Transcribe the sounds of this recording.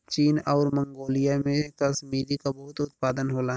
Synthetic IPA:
t͡ʃiːnɔːɾmə̃ŋɡoːlijamẽkɐsmiːɾikabɐɦʊt̪ʊt̪̚paːd̪ənɦoːla

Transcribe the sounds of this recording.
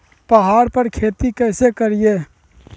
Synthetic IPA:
pɐɦaːɾpəɾkʰeːt̪ikɛːsekəɾɪjeː

